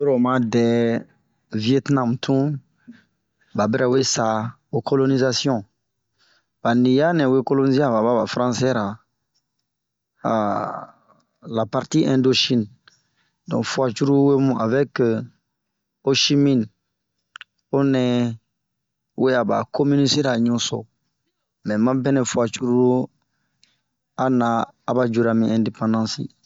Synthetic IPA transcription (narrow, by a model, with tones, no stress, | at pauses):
ɾo˨mã˦dɛ˨ | vi˨ɛ˦tnã˨mtʰũ˦ | ba˨bɛ˦ɾɛ˨we˦sa˨ | o˨ko˦lo˦ni˦za˦sjɔ̃˦ | ba˨nĩ˨ja˦nɛ̃˨we˦ko˦lo˦ni˦ze˦a˨ba˨ba˦ba˨fɾã˦sɛ˦ɾa˨ | a˨ | la˨pa˨ɾti˦ʔɛ̃˨ndo˦ʃĩ˦n | dɔ̃˨fu˨a˨t͡ʃu˦ɾu˦we˦mũ˦ʔa˨vɛ˦k | o˦ʃi˦mĩ˦n | o˦nɛ˨˦ | we˦a˨ba̰˨ko˦mi˦ni˦si˦ɾa˨ɲũ˦so̰˨ | mɛ̃˨mã˦bɛ̃˦nɛ̃˨fu˨a˨t͡ʃu˦ɾu˦ɾu˦ | a˦nã˨˦a˨ba˦d͡ʒu˦ɾa˨mĩ˦ɛ̃nde˨pã˦ndã˦sḭ˦